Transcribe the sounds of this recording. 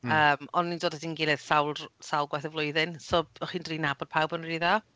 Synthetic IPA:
əːmɔnːindoːdədinɡɪlˠɨð̥sawlˠsawlˠɡwɛθəvlˠʊɨðɪnsɔːbɔχiːndriːnabɔd̥̚pʰawbəniða

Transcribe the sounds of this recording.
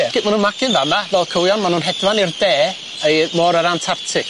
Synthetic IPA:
ɛɡ̥ɪmanhuːnmakɪnvamavɛlˠkʰəwjɔnmanuːnɦɛdwanirdɛː | ejmɔɾəɾantʰartʰɪk

